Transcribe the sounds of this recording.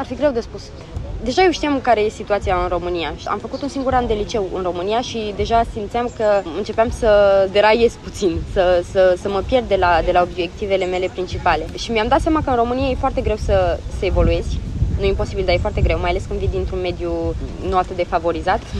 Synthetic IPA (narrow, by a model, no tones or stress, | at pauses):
arfiɡɾe̞wd̪espus | d̪e̞ʒajewʃt̪ijamkaɾe̞je̞sit̪uat̪siaɨnro̞mɨnijaʃa̰mfəkut̪unsiŋɡuɾand̪e̞lit͡ʃe̞wɨ̰nro̞mɨnijaʃid̪e̞ʒasimt̪siamkəɨnt͡ʃe̞peamsəd̪eɾaje̞zʲput̪sinsəsəsəməpje̞rd̪d̪elad̪e̞laobje̞k̚t̪ive̞le̞me̞le̞pɾint͡ʃipale̞ʃimiamd̪at̪sjamakəɨnro̞mɨnijaje̞foart̪e̞ɡɾe̞wsəsəevo̞lue̞z̥ʲnujeimpo̞sibild̪ajefoart̪e̞ɡɾe̞wmajale̞skɨnd̪vid̪int̪ɾunme̞d̪junuat̪ɨt̪̚d̪e̞favo̞ɾizat̪